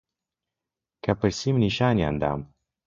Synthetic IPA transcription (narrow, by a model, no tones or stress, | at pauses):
kapəɾsimniʃanʲja̰nd̪a̰m